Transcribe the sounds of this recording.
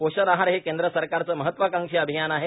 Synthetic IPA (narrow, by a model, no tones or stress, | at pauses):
poɕəɾaɦaɾɦekend̪ɾəsəɾkaɾt͡səːməɦət̪ːʋakaŋʂiːəbʱijanaɦe